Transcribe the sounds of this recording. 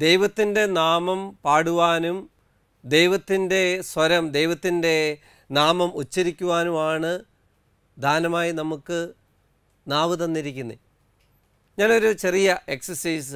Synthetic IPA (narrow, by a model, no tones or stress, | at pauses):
d̪e̞jʋɐt̪ːinde̞naːmɐmpaːɽuʋaːnum | d̪e̞jʋɐt̪ːinde̞sʋɐɾɐmd̪e̞jʋɐt̪ːinde̞ | naːmɐmot͡ɕːiɾikʲːuʋaːnumaːɳɨ | d̪ʱaːnɐmaːjinɐmukːɨ | naːʋɨt̪ɐnːiɾikʲːunːi | ɲaːno̞ɾut͡ɕe̞rijɐe̞ksɐsɐjs̬ɨ